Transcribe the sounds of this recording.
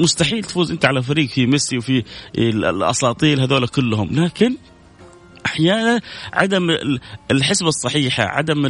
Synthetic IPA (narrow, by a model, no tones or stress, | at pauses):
mʊst̪aħiːlt̪ḁfuːzʔɪnt̪aʕalafaɾiːɡfimɪsiwfi | ʔɑ̰sˤɑːt̪ˤiːlhaðoːlakʊlːhʊmlaːkɪn | ʔaħjaːnanʕa̰d̪amɪlħɪsbɑsˤːɑħiːħa̰ʕa̰d̪amɪ